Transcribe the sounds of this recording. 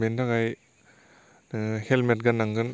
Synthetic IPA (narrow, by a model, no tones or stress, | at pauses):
endaɡaj | helmet̚ɡanaŋɡɯn